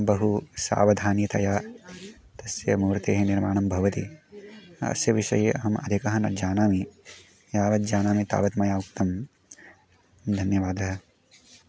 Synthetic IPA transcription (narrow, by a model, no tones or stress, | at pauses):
bɐɦusa̰ːʋɐd̪ʱaːnjɐt̪ɐjaː | t̪ɐsjɐmuːɾt̪eːɦeniɾmaːɳɐmbʱɐʋɐt̪i | ɐ̰sjɐʋiʃɐ̰jeʔɐɦɐmɐ̰d̪ʱikɐɦɐnɐ̰d͡ʒaːnaːmi | jaːʋɐt̪̚d͡ʒaːnaːmit̪a̰ːʋɐt̪mɐjaːuk̚t̪ɐm | d̪ʱɐnjɐʋaːd̪ɐɦɐ